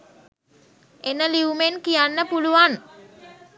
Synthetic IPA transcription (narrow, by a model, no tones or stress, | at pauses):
enəliumenkijanːəpuluʋan